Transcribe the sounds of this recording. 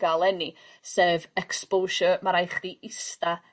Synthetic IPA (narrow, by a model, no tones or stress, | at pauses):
ɡalˠɛni | seːvɛkspolʃɔmaɾajχd̥iʔɪsta